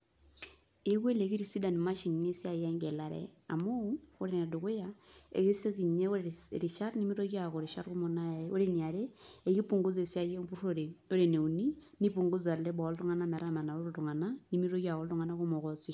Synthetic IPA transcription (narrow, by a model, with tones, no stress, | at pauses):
e˦kwe˦le˨ki˦ɾi˨si˦da˨ni˨ma˦ʃi˨ŋ˨ne˦si˦a˨ja˦ŋɡe˨la˨ɾɛ̰˨a˨mʊ˦o˦ɾe˨na˨dʊ˨kʊ˦ja˨ḛ˨ke˦so˦ki˨ɲe˦o˦˨ɾi˨ʃa˦rni˦mi˦ɾo˦kja˨ko˨ɾi˨ʃa˦ɾkʊ˦mo˨nao˦ɾe˨ni˨a˨ɾe˦e˨ki˦pu˨ŋɡʊ˦se˨si˦a˦je˦pu˦ɾo˦ɾe˨o˦ɾe˨ne˨u˨ni˦ni˦pu˨ŋɡʊ˦t͡sa˨le˦bɔ˨˦ltʊ˦ŋa˦na˦mɛ˨ɾa˦ma˨na˨o˦ɾo˨tʊ˨ŋa˨na˦ni˦mi˦ɾo˦ka˨ko˨ltʊ˦ŋa˨na˦kʊ˦mɔ˨kɔ˨si˦